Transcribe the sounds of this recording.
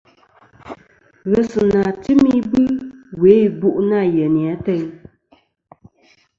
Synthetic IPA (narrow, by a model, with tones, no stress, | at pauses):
ɣə˨sɨ˨na˨ti˦mi˦bɨ˦we˨˦˨bu˦ʔna˦˨jɛ˨ni˨a˨˦tɛ˦ɲ